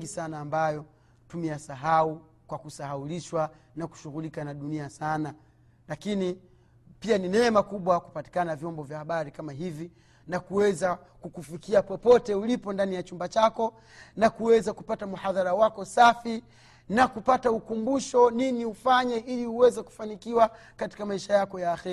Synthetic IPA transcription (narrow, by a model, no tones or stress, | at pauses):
ɡisanaːmbajɔ | tumiasaɦau | kwakusahauliʃwa | naku̥ʃuɣulikanaɗuniasana | lakini | pianinɛɛmakuɓwaku̥pati̥kanavjɔmbɔvjahaɓaɾikamaɦivi | nakuwɛza | kukufikiapɔpɔtɛulipɔndanijat͡ʃumbat͡ʃakɔ | nakuwɛzakupatamuhaðaɾawakɔsafi | nakupataukumbuʃɔniniufaɲɛʔiliuwɛzɛku̥fanikiwa | kati̥kamaiʃajakɔjaːxɛɾi